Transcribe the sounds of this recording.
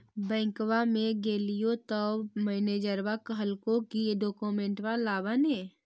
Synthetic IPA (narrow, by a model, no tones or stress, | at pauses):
bɛ̃ːŋkwamẽɡeːlijot̪ɔmɛːneːd͡ʒəɾwakɦəlkokijeɖoːkomẽɳʈwalaːbane